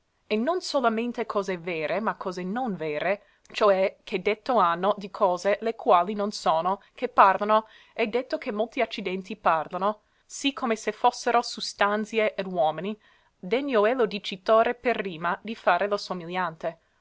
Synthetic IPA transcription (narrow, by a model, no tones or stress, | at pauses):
enːonsolament̪ekʰɔːzevɛːɾemakʰːɔːzenonvɛːɾe | t͡ʃoɛkʰed̪ːet̪ːoanːod̪ikʰɔːzelekwaːlinonsoːno | kepːarlano | ɛd̪ːet̪ːokemːolt̪iat͡ʃːid̪ɛnt̪iparlano | sikʰomesefosːeɾosust̪ant̪sjeʔed̪wɔːmini | d̪eɲːoɛlod̪it͡ʃit̪oːɾeperːiːmad̪ifaːɾelosomiljant̪e